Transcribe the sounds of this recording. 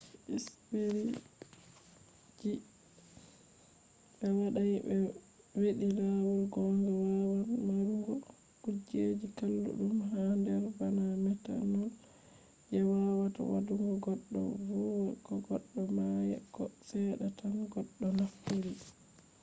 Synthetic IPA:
ʔispeɾi | d͡ʒi | bɛwaɗajbɛ | weɗilawulɡɔŋɡɛwawanmaɾuŋɡɔ | kud͡ʒed͡ʒikalːṵɗumɦandɛɾbanamɛta̰nɔl | ʔɛwawata̰wa̰duŋɡɔɡɔɗːɔ̰vuwɛkɔɡɔɗːɔmajɛ̰kːɔsɛɗatanɡɔɗːɔnafːoɾi

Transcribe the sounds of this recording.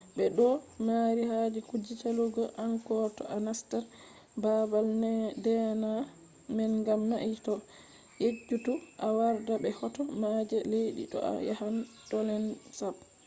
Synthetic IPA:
ɓɛɗɔmaɾihad͡ʒɛkud͡ʒit͡ʃaluɡɔʔankɔtɔʔanastɛɾ | babaldɛna | mɛnɡamːaʔitɔ | jed͡ʒːutuʔawaɾdabɛhɔtɔmad͡ʒɛleɗḭɗɔ̰a̰ja̰hantɔlɛnsab

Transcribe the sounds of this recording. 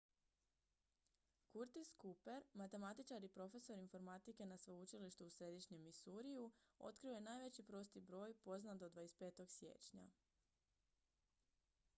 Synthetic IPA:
kuɾt̪iskupe̞ɾmat̪e̞mat̪it͡ʃaɾipɾo̞fe̞so̞ɾinfo̞ɾmat̪ike̞nasʋout͡ʃiliʃt̪uusɾe̞d̪iʃɲe̞misuɾijuo̞̰t̪̚kɾio̞je̞naːjʋe̞t͡ɕipɾo̞st̪ibɾo̞ːjpo̞znad̪od̪ʋajest̪pe̞ːt̪o̞ɡsje̞̰ːt͡ɕɲa̰

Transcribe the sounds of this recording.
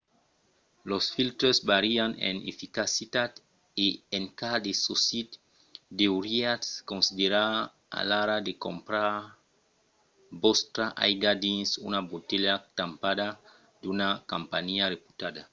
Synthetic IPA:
losfilt̪ɾosbaɾianḛnḛfikasit̪ad̪ | eeŋkad̪esosit̪ | d̪euɾiat̪skõnsid̪eɾa | a̰laɾad̪ekompɾaɾ | bost̪ɾaʔajɡad̪insṵnabot̪eʎat̪ampad̪a | d̪unakampaɲiarepu̥t̪ad̪a

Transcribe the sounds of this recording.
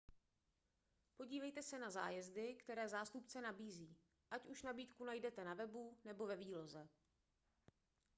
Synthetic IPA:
po̞ɟiːvɛjt̪ɛsɛnazaːjɛzdɪkt̪ɛɾɛːzaːst̪upt͡sɛnabiːziː | ʔacʔuʃnabiːt̪kunajdɛt̪ɛnavɛbunɛbo̞vɛviːlo̞zɛ

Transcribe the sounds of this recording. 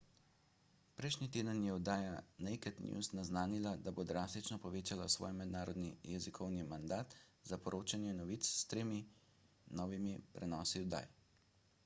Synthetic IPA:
pɾɛjʃnit̪eːd̪ənjɛɔd̪aːjanɛjkɛt̪nʲjṵsnaznaːnilad̪abod̪ɾaːst̪it͡ʃnɔpɔʋeːt͡ʃalasʋɔ̰ːjmɛd̪naːɾɔd̪nijɛzikʰɔwnimand̪aːt̪ | zapɔɾʔoːt͡ʃanjɛnɔʋit̪sst̪ɾeːmi | nɔːʋimipɾɛnɔːsiɔd̪a̰ːj

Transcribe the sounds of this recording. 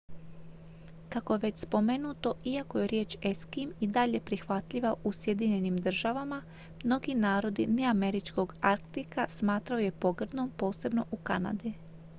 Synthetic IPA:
kakojeʋe̞t͡ɕspo̞me̞nuːt̪o̞ʔiakoje̞ɾje̞ːt͡ʃeskimid̪aʎe̞pɾixʋat̪ʎiʋaʔusje̞d̪iɲe̞nimd̪r̩ʒaʋama | mno̞ɡinaːɾo̞d̪ine̞ame̞ɾit͡ʃko̞ɡaɾkt̪ikasmaːt̪ɾaoje̞po̞ɡr̩d̪ompo̞ːse̞bno̞ʔukana̰d̪i

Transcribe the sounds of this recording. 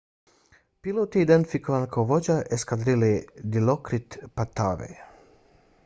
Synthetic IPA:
pilot̪iːd̪ent̪ifikovankʰawvod͡ʒaʔeskad̪ɾilid̪ilokɾit̪pat̪avɛ̰

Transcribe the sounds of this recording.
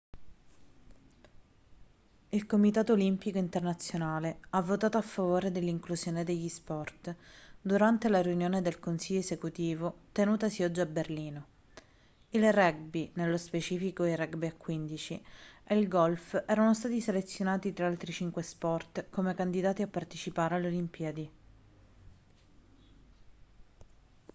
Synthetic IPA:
ilkomit̪aːt̪oːlimpikoint̪ernat̪sːjonaːleavːot̪aːt̪oafːavoːɾed̪elːiŋkluzjoːned̪eʎːispɔrt̪d̪uɾant̪elaɾeunjoːned̪elkonsiʎːoesekut̪iːvot̪enuːt̪asiɔd͡ʒːiaberliːno | ilrɛɡ̚binelːospet͡ʃiːfikoirɛɡbiakːwind̪it͡ʃieilɡɔlfɛːɾanost̪aːt̪iselet̪sːjonaːt̪it̪ɾaalt̪ɾit͡ʃiŋkwespɔrt̪komekand̪id̪aːt̪iapːart̪et͡ʃipaːɾealolimpiad̪i

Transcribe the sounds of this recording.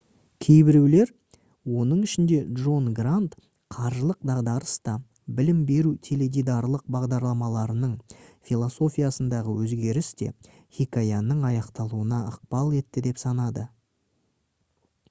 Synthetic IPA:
kʲʰe̞jbɪɾewle̞ɾ | wo̞nəɴɪʃɪnd̪e̞dʒo̞nɡrant̪ | qʰɑɾʒəlˠəq̚d̪ɑʁd̪ɑɾəst̪ɑ | bɪlɪmbe̞ɾut̪ʰeled̪ijd̪arlˠəq̚bɑʁd̪ɑɾlˠɑmɑlˠɑɾənəɴfʲilˠo̞so̞fʲijasənd̪ɑʁəwɵzɡʲe̞ɾɪst̪e̞̰ | χikajanːəɴɑjɑqt̪ɑlˠuənɑəq̚pɑlˠe̞t̪ːɪd̪e̞psɑnɑd̪ə

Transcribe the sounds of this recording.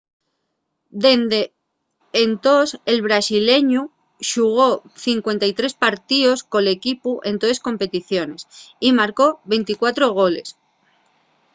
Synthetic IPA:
d̪e̞nd̪eː | nt̪o̞se̞lβ̞ɾasile̞ɲu | ʃuɣ̞o̞θiŋkwe̞nt̪ajt̪ɾe̞spaɾt̪iosko̞le̞kipuʔe̞nt̪oesko̞mpe̞t̪iθjo̞ne̞simaɾko̞βe̞nt̪ikwat̪ɾo̞ɣ̞o̞le̞̰s

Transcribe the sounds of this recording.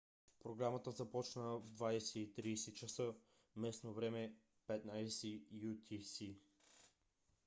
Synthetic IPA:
pɾoɡɾamət̪əzɐpɔt͡ʃnəd̪vajsɛit̪ɾiːsɛt͡ʃəsə | mɛsnovɾɛmɛ | pɛt̪najsɛjut̪ʲʰisi

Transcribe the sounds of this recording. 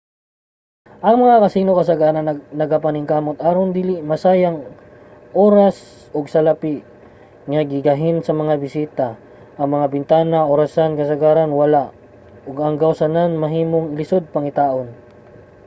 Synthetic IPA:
ʔɐŋmɐŋakɐsiːnokɐsɐɡaːɾɐnnɐɡapɐnɪŋkaːmot̪ʔaɾond̪ilimɐsajɐŋ | ʔoːɾas | oɡsɐlɐpiʔ | ŋɐɡɪɡɐɦɪnsɐmɐŋabɪsiːt̪a | ʔɐŋmɐŋabɪnt̪aːnaʔoɾasankɐsɐɡaːɾanwɐlaʔ | oɡɐŋɡɐwsɐnanmɐɦiːmoŋɪlɪsod̪̚pɐŋɪt̪aːʔon

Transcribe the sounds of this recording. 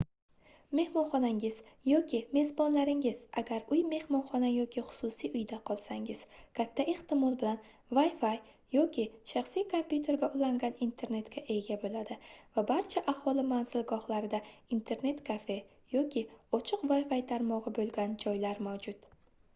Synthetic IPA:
me̞hmɒnχɒnaŋɪzjɒkʲɪme̞zbɒnlaɾɪŋɪz̥aɡʲaɾʊjme̞hmɒnχɒnajɒkʲɪχʊ̥sʊsijʊjd̪aqʰɒlˠsaŋɪz̥kʲʰat̪ʰːae̞ht̪ɪmɒlˠbɪlan | vajfaj | jɒkʲʰɪʃaχsijkʰompʲjut̪ʰe̞ɾɡʲaʊlaŋɡʲanint̪ʰe̞ɾne̞t̪kʲaʔe̞ɡʲabolad̪ɪvabaɾt͡ʃʰaʔahɒlˠɪmanz̥ɪlɡɒχlaɾɪd̪aint̪ʰe̞ɾne̞t̪kʰafe̞ | jɒkʲʰɪɒt͡ʃʰɨqvajfajt̪ʰaɾmɒʁɨbolɡʲand͡ʒɒjlaɾmawd͡ʒʊt̪

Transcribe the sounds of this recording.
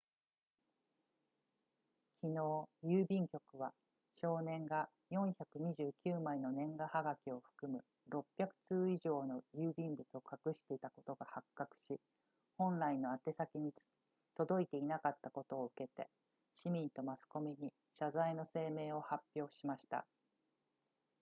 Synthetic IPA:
kʲʰino̞ːjɯːbʲĩŋkʲo̞kɯ̟βa | ɕo̞ːnẽ̞ŋɡa | jõ̞ɰ̃çakɯ̟ɲ̟iʑɨːkʲɨːmaino̞nẽ̞ŋɡahaɡakʲio̞ɸɯ̟̥kɯ̟mɯ̟ | ɾo̞pʲːjakɯ̟̥t͡sɨːiʑo̞ːno̞jɯːbʲĩmbɯ̟t͡sɨo̞kakɯ̟ɕi̥t̪e̞it̪ako̞t̪o̞ɡahakːakɯ̟̥ɕi | hõ̞nɾaino̞at̪e̞sakʲiɲ̟it͡sɨ̥ | t̪o̞d̪o̞it̪e̞inakat̪ːako̞t̪o̞ːɯ̟ke̞t̪e̞̰ | ɕimʲĩnt̪o̞masɨ̥ko̞mʲiɲ̟i | ɕazaino̞se̞ːme̞ːo̞hapʲːjo̞ːɕimaɕi̥t̪a̰

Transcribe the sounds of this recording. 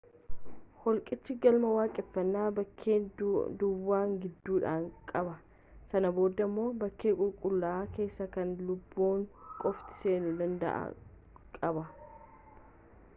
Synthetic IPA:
hɔlkʼɪt͡ʃːɪɡɐlmɐwaːkʼɪɛfːɐnːaːbɐkʰːeːd̪ʊwːaːŋɡɪd̪ːuːᶑaːŋkʼɐbɐ | sɐnɐbo̞ːd̪ːɐmːo̞ːbɐkːeːkʼʊlkʼʊlːaaːke̞ːsːɐkɐnlʊbːoːŋkʼɔft̪ɪ̥se̞ːnʊd̪ɐnd̪ɐ̰ʔɐ̰ | kʼɐbɐ

